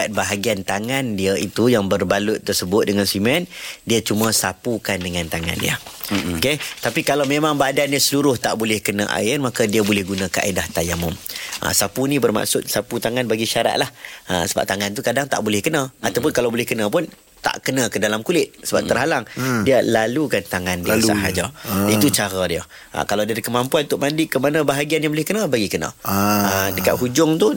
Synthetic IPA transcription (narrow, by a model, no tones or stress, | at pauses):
at̪̚baɦaɡiant̪aŋandiait̪ujaŋbərbalʊt̪ːərsəbʊt̪̚dəŋansimɛndiat͡ʃumə̃sapukandəŋãnt̪aŋa̰ndḭa̰oket̪apikalawmemãŋbadanɲasəluɾʊht̪a̰ʔbolɛhkənã̰ʔa̰ɪrmakadiabolɛhɡunãkaʔedaht̪ajamʊmʔə̰sapunĩbərma̰ʔsʊt̪̚saput̪aŋanbaɡiʃaɾa̰t̪̚lahə̰səba̰p̚t̪aŋant̪̬ukadaŋt̪a̰ʔbolɪhkənaʔat̪awp̬ʊnkalawbolɪhkənãp̬ʊn | t̪a̰ʔkənãkədalamkulɪt̪̚səba̰p̚t̪ərɦalaŋdialalukant̪aŋandiasa̰ɦad͡ʒait̪ut͡ʃaɾadiə̰ | ʔkalawdaɾikəmãmpuanut̪ʊʔmandikəmanə̃baɦaɡianjaŋbolɪhkənãbaɡikənã̰ədəka̰t̪̚ɦud͡ʒʊŋt̪u